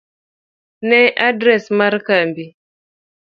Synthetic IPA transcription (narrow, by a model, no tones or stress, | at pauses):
neʔadɾɛsmaɾkambi